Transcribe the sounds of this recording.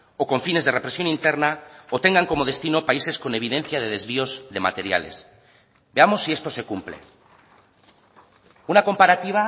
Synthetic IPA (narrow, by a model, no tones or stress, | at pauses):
oko̞ɱfine̞zðe̞re̞pɾe̞sjo̞nint̪e̞ɾnaot̪e̞ŋɡaŋko̞mo̞ð̞e̞st̪ino̞paise̞sko̞ne̞β̞ið̞ẽ̞n̟θjað̞e̞ðe̞zβiozðe̞ma̰t̪e̞ɾja̰le̞̰s | be̞amo̞sːie̞st̪o̞se̞kumple̞̰ | unako̞mpaɾat̪iβ̞a